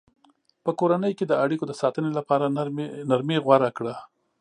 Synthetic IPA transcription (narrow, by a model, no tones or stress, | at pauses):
pəkoɾanəjked̪əaɽikod̪əsɑt̪ənelapɑɾanaɾmeɣwaɾakɽa